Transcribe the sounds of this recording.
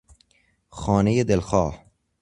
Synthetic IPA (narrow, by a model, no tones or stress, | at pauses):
xɒːnejed̪elxɒːh